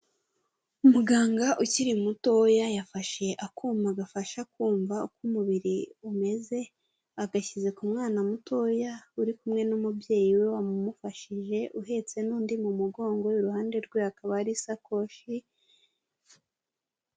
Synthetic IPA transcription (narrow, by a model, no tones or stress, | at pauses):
umuɡaːŋɡaʔuciɾimuto̞jajafaʃe̞ʔakuːmaɡafaʃakuːɱvaukumuβiɾiume̞ze̞ | aɡaçize̞kumŋaːnamuto̞jauɾikumŋe̞numubje̞ːjiwe̞wamumufaʃiʒe̞ʔuɦe̞t͡se̞nuːndimumuɡo̞ːŋɡo̞juɾuhaːnde̞ɾɡwehakaβaɾisako̞ʃi